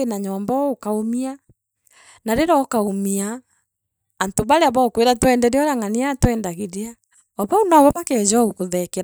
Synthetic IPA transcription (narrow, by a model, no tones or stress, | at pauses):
enaɲɔmbaokaomia | naɾeɾɔːkaomiaː | ntoβaɾeaβaokweɾatwɛndɛɾeɔɾaŋaniatwɛndaɣeɾea | ɔβaunaɔβaβakɛzɔukoðɛkeɾa